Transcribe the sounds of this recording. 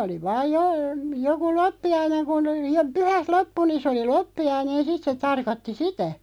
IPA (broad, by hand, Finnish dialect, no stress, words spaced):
oli ʋɑːj jo joku lopːiɑineŋ kun jo pyhæt lopːu nin̞ sĕ oli lopːiɑinen sit se tɑrkotːi sitæ